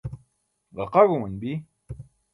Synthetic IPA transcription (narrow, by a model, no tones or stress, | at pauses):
ɣɑqɑɣumənbi